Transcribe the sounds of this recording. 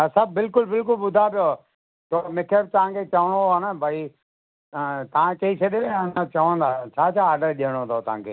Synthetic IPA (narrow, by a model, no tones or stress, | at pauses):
əsɐb̚ʱbɪlkʊlbɪlk̬ʊlɓʊd̪ʱapijo | t̪omɪkʰəɾt̪ɐɦãkʰet͡ʃɐʋəɽ̃oənəbʱai | t̪ɐʋ̤ãt͡ʃɐit͡ʃʰɐɗeenat͡ɕɐʋə̃nd̪aːt͡ʃʰaːt͡ʃʰaːɾɖəɾɗiːəɽ̃ot̪ʰot̪ɐɦãkʰḛː